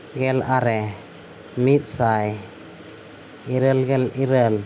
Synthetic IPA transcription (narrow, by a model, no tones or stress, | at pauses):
ɡɛlaɾɛ | mit̪̚ˀsaj | iɾəlɡɛliɾəl